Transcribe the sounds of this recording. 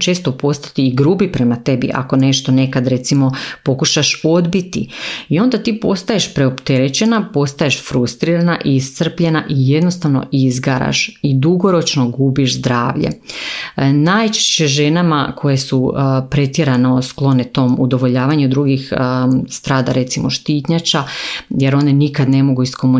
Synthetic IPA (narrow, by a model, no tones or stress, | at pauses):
t͡ʃe̞ːst̪opo̞st̪ḁt̪iːɡɾuːbipɾe̞mat̪e̞bḭʔa̰ko̞ne̞ʃt̪o̞ne̞kad̪ɾe̞t̪simo̞po̞kuʃaʃo̞d̪bit̪ḭio̞nd̪at̪iːpo̞st̪aje̞ʃpɾe̞opt̪e̞ɾet͡ɕe̞napo̞st̪aje̞ʃfɾust̪ɾiːɾanaʔiːst̪sr̩pʎe̞naʔije̞d̪nost̪aʋno̞̰ʔizɡaɾa̰ʃid̪uɡo̞ɾo̞t͡ʃno̞ɡubiʃzd̪ɾaːʋʎḛ | najt͡ʃe̥ʃt͡ɕeʒenama̰kʰo̞jesupɾe̞t̪je̞ɾaneosklˠo̞ne̞t̪o̞ːmud̪o̞ʋo̞ʎaːʋaɲud̪ɾuɡixst̪ɾaːd̪aɾe̞t̪simo̞ʃt̪iːt̪ɲat͡ʃaje̞ɾo̞nenikad̪ne̞mo̞ɡuiskomu